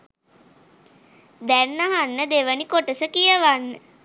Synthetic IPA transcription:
d̪ænːaɦanːəd̪eʋənikoʈəsəkijəʋanːə

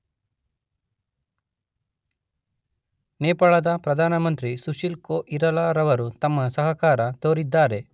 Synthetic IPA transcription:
neːpɐɭɐd̪ɐpɾɐd̪ʱaːnɐmɐnt̪ɾisuʃilkoːʔiɾɐlaːɾɐʋɐɾut̪ɐmːɐsɐɦɐkaːɾɐt̪oːɾid̪ːaːɾe̞

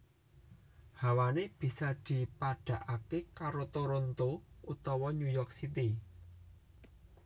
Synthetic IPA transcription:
hawaneb̥i̤sad̪̥i̤paɖ̥a̤ʔakekaɾot̪oɾont̪out̪ɔwɔɲujɔk̚sit̪i

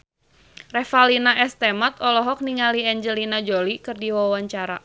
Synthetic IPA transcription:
rɛfalinaʔɛst̪ɛmat̪̚ɔlɔɦɔk̚niŋaliɛɲd͡ʒəlinad͡ʒolikɨrdiwawaɲt͡ʃaɾa

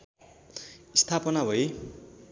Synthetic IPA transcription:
ist̪ʰapʌnabʱʌe

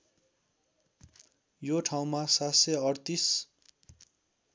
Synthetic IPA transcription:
joʈʰaw̃masatseʌɽt̪is

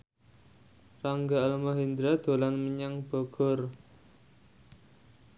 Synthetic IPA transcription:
raŋɡaːlmaɦind̪ɾad̪̥o̤lanməɲaŋb̥ɔ̤ɡ̥ɔr

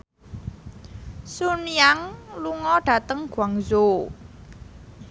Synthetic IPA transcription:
sunjaŋluŋɔɖ̥a̤t̪əŋɡ̥waŋzo

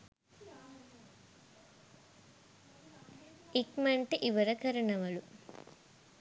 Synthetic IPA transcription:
ikmɐɳʈiʔiʋɐɾɐkɐɾɐɳɐmɐlu

